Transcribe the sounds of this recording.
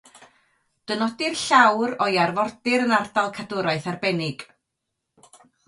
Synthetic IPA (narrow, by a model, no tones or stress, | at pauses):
d̥ənɔdɪrɬawɾɔjarvɔrdɪɾənardalˠkʰadʊɾaɨθarbɛnɪɡ̥